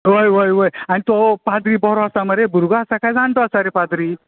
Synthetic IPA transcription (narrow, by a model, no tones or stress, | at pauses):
ʋəjʋəjʋəjanit̪opad̪ɾiːbɔɾɔasaməɾebuɾɡaasakajd͡zaɳt̪ɔasaɾepad̪ɾiː